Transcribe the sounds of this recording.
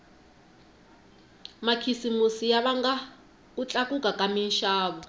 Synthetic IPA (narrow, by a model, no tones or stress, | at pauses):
makʰisimusijaβaŋɡa | ut͡ɬʼakʼukʼakʼaminʃaːɓɔ